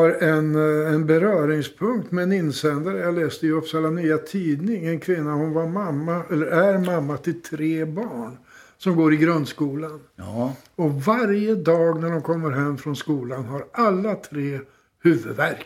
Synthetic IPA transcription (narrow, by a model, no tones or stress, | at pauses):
aɾɛnɛnbɛɾœːɾɪŋspʰɵŋkt̪mɛɛnɪnːsɛnd̪aɾəjalɛːsd̪əjɵɔfsalːanyːat̪ʰiːd̪nɪŋɛnkʰvɪnːahʊnvamamːaʔɛlːəɾʔæɾmamːat̪ʰɪlt̪ʰɾeːbɑːɳ | sɔmɡoːɾɪɡɾɵnskuːlan | ɔvaɾjəd̪ɑːɡnæɖɔmkʰɔmːəɾɦɛmːfɾɔnskuːlanɦaɾalːat̪ʰɾeː | hʉ̟ːvəd̪væɾk